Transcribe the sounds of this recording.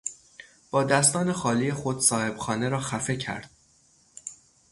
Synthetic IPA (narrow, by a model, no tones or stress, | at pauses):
b̥ɒːd̪æst̪ɒːne̞xɒːliːjexo̞d̪̥sɒːhe̞b̥xɒːne̞ɾɒːxæfe̞cʰæ̰ɾd̪̥̚